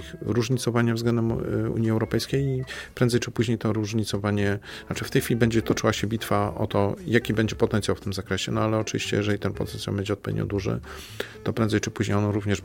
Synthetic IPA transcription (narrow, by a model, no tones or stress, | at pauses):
xɾuʐɲit̪sɔvaɲavzɡlɛnd̪ɛmṵɲiɛwɾɔpɛjskʲejipɾɛnd̪zɛjt͡ʂɘpuʑɲejt̪ɔɾuʐɲit̪sɔvaɲɛnat͡ʂɘft̪ɛjxfʲilʲibɛɲd͡ʑɛt̪ɔt͡ʂɘwaɕɛbʲit̪faʔɔ̰t̪ɔjakʲibɛɲd͡ʑɛpɔt̪ɛnt̪ʲjawft̪ɘmzakɾɛɕɛnɔalɛɔt͡ʂɨvʲḭɕt͡ɕɛ̰jɛʐɛlʲit̪ɛnpɔ̰t̪ɛnsjambɛɲd͡ʑɛɔt̪̚pɔvʲḛd̪ɲɔ̰d̪uʐɘ̰ | t̪ɔpɾɛnzɛjt͡ʂɘpuʑɲejɔnɾuvɲɛʂ